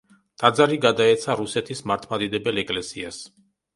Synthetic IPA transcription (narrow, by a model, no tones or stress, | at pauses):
t̪ʼad̪zaɾiɡad̪aɛt̪sʰaɾusɛt̪ʰismaɾt̪ʰmad̪id̪ɛbɛlɛkʼlɛsias